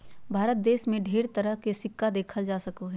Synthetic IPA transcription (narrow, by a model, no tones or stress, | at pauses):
bʱaːɾət̪̚d̪eːʃmẽɖʱeːɾt̪ɐɾəɦkesɪkːad̪eːkʰəld͡ʒaːsɐkoɦɛː